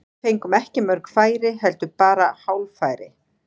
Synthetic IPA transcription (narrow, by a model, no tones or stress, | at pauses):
θejŋkʏmɛhcɪmœɾkfaːjɾɪɦɛlt̪ʏpaːɾahawlfaːjɾɪ